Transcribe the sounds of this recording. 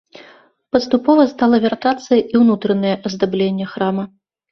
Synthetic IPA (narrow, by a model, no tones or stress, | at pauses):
pɐst̪upɔvɐst̪alˠɐvʲart̪at̪sːɨjɐʔiwnut̪ɾɐnɐjɛʔɐzd̪ablʲenʲːɛxɾamɐ